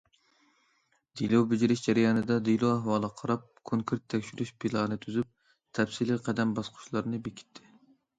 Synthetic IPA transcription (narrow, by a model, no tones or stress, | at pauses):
d̪̥ilˠowbɪd͡ʒiɾɪʃd͡ʒɛɾɛjɑːnɨd̪ɛd̪ilˠoæɦwɑːlˠəqʰɑɾɑp̚kʰoŋkʰuɾt̪ʰːɛkʲʃyɾyʃpʰilˠɑːnɨt̪ʰyzyp̚ | t̪ʰɛpsiliqʰɛd̪ɛmbɑsqʰʊ̥ʃlˠɑɾnɨbekʲʰi̥t̪ʰːɪ̥